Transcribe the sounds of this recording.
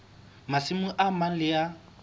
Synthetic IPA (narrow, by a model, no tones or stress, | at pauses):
masɪmʊʔamalɪja